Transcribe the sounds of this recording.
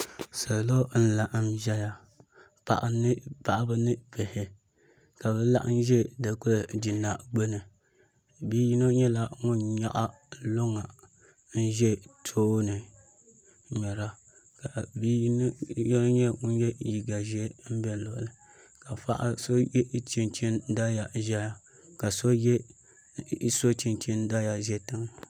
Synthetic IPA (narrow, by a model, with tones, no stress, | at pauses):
sa˨lo˦n̩˦la˨ʔmʒɛ˦ja˨ | pa̰˨ʔa˨nɨ˦pa˨ʔbɨ˦nɨ˦pɛ˨hɪ˨ | ka˨bɛ˦la˦ʔn̩˦ʒɛ˦da˨ku˦ldi˨nːa˨ɡ͡bo˦nɨ˨ | biː˦ji˦no˦ɲɛ˦la˦ŋʊ˦nɲa̰˦ʔa˦ | lo˦ŋa˨ | n̩˦ʒɛ˦tʰoː˦nɨ˨ | ɲɛ˨ɾa˦ | ka˨bi˦n˦jn˦ɲɛ˦ŋʊ˦n˦jɛ˦ji˨ɡa˨ʒɛ˦m̩˦bɛ˦˨lo˨ʔlɨ˨ | ka˨fa̰˦ʔa̰˦so˦jɛ˦t͡ʃi˦nt͡ʃi˦nda˦ja˨ʒɛ˦ja˨ | ka˨so˦jɛ˦ | so˦t͡ʃi˦nt͡ʃi˦n˦da˦ja˨ʒɛ˦tɨ˦ŋ˦